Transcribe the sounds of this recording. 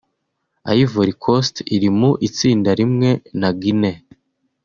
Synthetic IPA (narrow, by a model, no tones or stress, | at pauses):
a̰jivoɾikʰostiɾimuʔit͡siːndaɾimŋe̞naɡine